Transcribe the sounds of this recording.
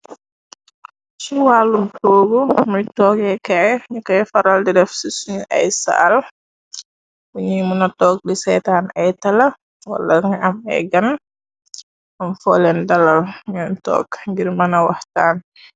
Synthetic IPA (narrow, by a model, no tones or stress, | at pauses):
siwaːlːumtoːɡumujtɔːɡɛkajɲukɐjfaɾaldidɛfsisuɲʔa̰jsa̰ːl | wuɲimunɐtɔːk̚disɛjtaːnajtɐlɐ | wa̰laŋamɛ̰ɡɐn | ʔamfɔlɛndɐlalɲantɔ̰ːkŋɡiɾmɐnɐwahtaːn